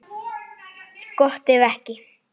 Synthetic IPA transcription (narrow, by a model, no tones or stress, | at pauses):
koht̪eʋæhki